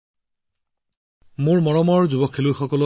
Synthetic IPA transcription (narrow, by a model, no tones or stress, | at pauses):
mʊɹmɔɹɔmɔɹzubɔkʰːelojxɔkɔlɔ